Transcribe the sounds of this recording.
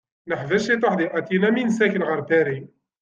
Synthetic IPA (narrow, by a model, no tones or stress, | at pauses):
nəħvæʃit̪ˤɑħd̪iʔæt̪inæminsækənʕɑɾˤb̪æɾi